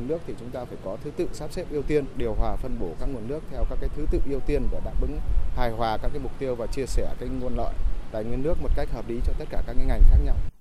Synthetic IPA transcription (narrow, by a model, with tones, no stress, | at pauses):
nɨ˦˥ək̚t̪ʰi˨˩t͡ɕʊ˨˦ŋ͡mt̪aː˧faː˧˩jkɔ˨˦t̪ʰɨ˨˦t̪ɨ̰˧˨saː˦˥p̚sɛ˦˥p̚ʔi˧əwt̪i˧ənɗi˨˩əwɦwaː˨˩fə˧nɓo˧˩kaː˦˥k̚ŋu˨˩ənːɨ˦˥ək̚t̪ʰɛ˧wkaː˦˥kːaː˨˦jt̪ʰɨ˨˦t̪ɨ̰˧˨ʔi˧əwt̪i˧ənvəː˧˩ɗa̰ː˧˥p̚ʔɨ̰˨˥˦ŋhaː˨˩jhwaː˨˩kaː˦˥k̚aː˨˦jmʊ˨˩k͡p̚t̪i˧əwvaː˨˩t͡ɕi˧əsɛ˧˩ka˨˥jŋu˧ənlə̰ː˧˨jt̪a̰ː˧˨jŋwi˧ənɨ˦˥ək̚mo˨˩t̚ka˦˥k̟̚həː˨˩p̚li˨˦t͡ɕɔ˧t̪ə˦˥t̚kaː˧˩kaː˦˥k̚ːaː˨˦jŋa˨˩jŋ̟xaː˦˥k̚ɲa˧w